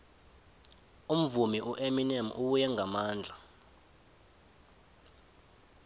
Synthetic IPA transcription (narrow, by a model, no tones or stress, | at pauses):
um̩vumiʔuʔeminɛmʔuɓujɛŋamaːnd͡ɮʱa